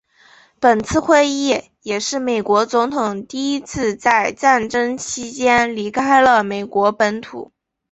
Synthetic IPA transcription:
pə˨˩nt͡sʰɹ̩˥˧xwe˥˧ɪi˥˩ | jɛ˨˩ʂɻ̩˥˩me˨˩ɪkwɔ˧˥t͡sʊ˧˥ŋt̪ʰʊ˨˩ŋt̪i˥˩i˥t͡sʰɹ̩˥˧t͡sa˥˧ɪʈ͡ʂa˥˩nʈ͡ʂɤ˥ŋt͡ɕʰi˥t͡ɕjɛ˥nli˧˥kʰa˥ɪlə˨me˨˩ɪkwɔ˧˥pə˧˥nt̪ʰṵ˨˩˦

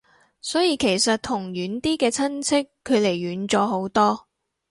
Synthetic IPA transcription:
sɔː˨˥jiː˨˧kʰe˨˩jsɐ˨t̚t̪ʰʊ˨˩ŋjyː˨˥nt̪iː˥kɛː˧t͡sʰɐ˥nt͡sʰɪ˥kʰːɵ˨˧ɥle˨˩jɥyː˨˧˥nt͡sɔː˨˧ɦo˨˥wt̪ɔː˥

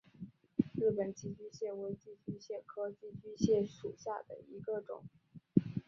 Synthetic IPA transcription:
ɻ̩˥˩pə˨˩nt͡ɕi˥˩t͡ɕy˥ɕjɛ˥˩we˧˥ɪt͡ɕi˥˩t͡ɕy˥ɕjɛ˥˩kʰɤ˥t͡ɕi˥˩t͡ɕy˥ɕjɛ˥˩ʂu˨˩ɕja̰˥˩d̪ə̰˩i˧˥ɡə˧ʈ͡ʂʊ̰˨˩˦ŋ

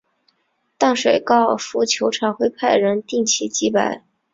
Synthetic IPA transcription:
t̪ɑ˥˩ŋʂwe˨˩ɪkɑ˥˩ʊfu˧˥t͡ɕʰjo˧˥ʊʈ͡ʂʰɑ˨˩ŋxwe˥ɪpʰa˥˩ɪɻə˧˥nt̪i˥˩ŋt͡ɕʰi˧˥t͡ɕi˧˥pa˨˩˦ɪ

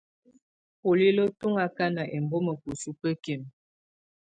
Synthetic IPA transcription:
po˨li˦lo˦tu˦ŋa˨ka˦na˨ʔɛ˨mbɔ˦mə˨ku˨su˦pə˦ke˨m

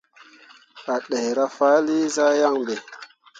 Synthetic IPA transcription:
a˨ɗe˨jɾa˦fa˦li˦za˦ja˦˨ŋbe˨

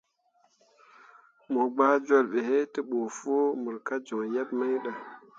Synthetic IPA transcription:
mo˨ɡ͡ba˦d͡ʒo˦˨lɓe˨he˦tə˦ɓo˨fo˦mu˨ɾka˦d͡ʒo˨ŋja˦bma˦jɗa˨

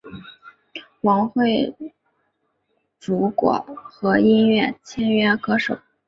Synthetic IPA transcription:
wɑ˧˥ŋxwe˥˩ɪ | ʈ͡ʂu˧˥kwɔ̰˨˩˦xɤ˧˥i˥nɥɛ˥˩t͡ɕʰjɛ˥nɥɛ˥kʰɤ˧˥ʂo˨˩˦ʊ

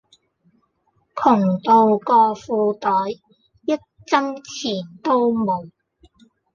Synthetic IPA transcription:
kʰʊ˨˩ŋt̪o˨˧wkɔː˧fuː˧t̪ɔː˨˥j | jɐ˥t̚t͡sɐ˥ŋt͡sʰiː˨˩nt̪o˥wmo˨˧w

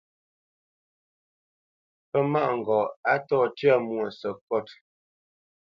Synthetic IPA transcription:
pə˦ma˦˨ʔŋ̩˨ɡɔ˨a˦tɔː˦˨tɥa˦˨mwə˨sə˨kɔ˦˨t

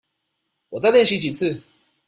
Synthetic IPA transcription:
wɔ˨˩t͡sa˥˧ljɛ˥˩nɕi˧˥t͡ɕi˨˩t͡s̩ʰ˥˨

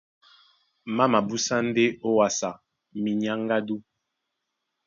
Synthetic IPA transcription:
ma˦ma˨bu˦sa˦n˦de˦o˦wa˨sa˨ | mi˨ɲa˦ŋ˦ɡa˦du˦

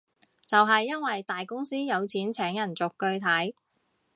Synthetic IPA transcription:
t͡sɐ˨wɦɐ˨jːɐ˥nwɐ˨jt̪aː˨jkʊ˥ŋsiː˥jɐ˨˧wt͡sʰiː˨˥nt͡sʰɛː˨˥ŋjɐ˨˩nt͡sʊ˨kːɵ˧ɥt̪ʰɐ˨˥j

